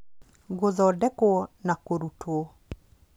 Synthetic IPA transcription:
ɡozɔdɛkonakoɾutʰwo

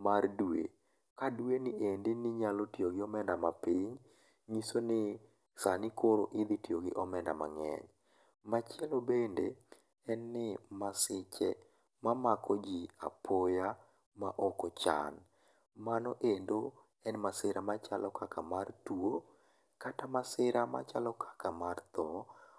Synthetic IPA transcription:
mardwḛ | kadwenɪʔendɪnɪɲalotioɡɪɔmɛndamapiɲ | ɲisonɪ | sanɪkʰoɾoʔɪd̪itioɡɪʔɔmɛnda̰ma̰ŋɛ̰ɲ | mat͡ʃɪɛlobende | ɛnːɪmasɪt͡ʃɛ | mamakɔd͡ʒia̰pʰoja | maʔɔkɔt͡ʃa̰n | manɔʔendo | ɛnmasɪɾamat͡ʃalɔkakamartuo | katamasɪɾama̰t͡ʃalɔkʰḁkamart̪ɔ

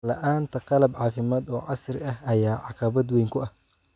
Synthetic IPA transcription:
lɐ̰ʔaːnt̪ʰɐqɑlɐbʕɑːfɪmaːd̪ɔːʕɑsrɪɐhɐjaːʕɑqɑβɐd̪wɛjŋkʰʊɐh

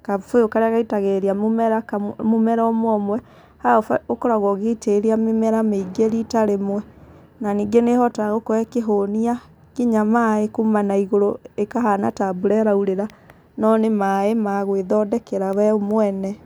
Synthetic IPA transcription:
kafojokaɾeaɣaitaɣeɾeamomɛɾakamomɛɾɔmwɔmwɛ | haɔfokoɾaɣɔɣeiteɾiamemɛɾameiɡeɾitaɾemwɛ | naniːɡenehɔtaɣokoɛkeɦonia | kiɲamaekumanaiɣoɾoekaɦanatabuɾɛɾauɾeɾa | nɔnemaemaɣweðɔdɛkeɾawɛomwɛnɛ

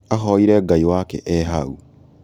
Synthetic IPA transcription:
axɔiɾɛɡaiwakɛ̰ʔɛɦau

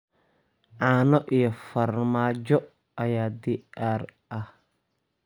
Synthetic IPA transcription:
ʕɑːnɔʔijɔfɐrmaːt͡ʃɔ | ʔɐjaːd̪iʔaːrʔɐh

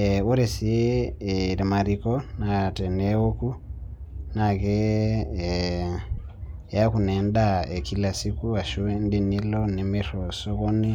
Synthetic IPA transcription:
oɾesie | ɾimaɾikonatenewoku | nake | jakunɛndaekilasikuwaʃuendinilonemeɾosokoni

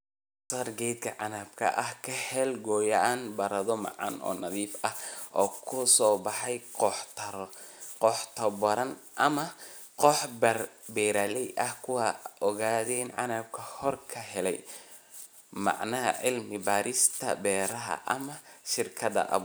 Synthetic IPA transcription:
saːrɡɛjd̪kʰɐʕɑnaːb̚kʰɐ̰ʔɐhkʰɐhɛlɡɔːjɐʔaːnbɐɾɐðɔmɑ̰ʕɑ̰nɔ̰ːnɐðiːfɐhʔɔːkʰʊsɔːbɑħɑjɔħt̪ʰɐɾqɔħt̪ʰɐbɐɾɐnʔɐmɐ | qɔħbrbɛːɾaːlɛjʔɐhkʰʊwɑɔɣaːðɛɪnʕɑ̰naːb̚kʰɐhɔrkʰɐɦɛlɛj | mɑ̰ʕnɐɦɐ̰ʕɪlmɪbaːɾɪst̪ʰɐbɛːɾɐɦɐ̰ʔɐ̰mɐʃɪrkʰɐðɐ̰ʔɐ̰β

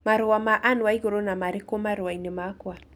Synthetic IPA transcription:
maɾowamaʔanwaiɣoɾonamaɾekomaɾewainemakwa

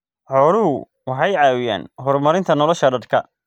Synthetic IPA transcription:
ħɔːlʊɦʊ | wɑħɑjʕɑːwɪja̰ːnɦɔrmɐɾɪnt̪ʰɐnɔlɔʃɐɖɐrkʰɐ

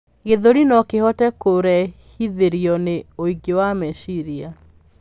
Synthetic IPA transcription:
ɣeðoɾinɔkehɔtɛkoɾɛhiðeɾiɔneoiɡewamɛsiɾia

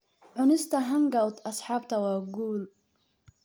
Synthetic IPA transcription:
ʕʊnɪst̪aɦaŋɡawt̪ʔɑsˤħɑːbt̪awaɡuːl

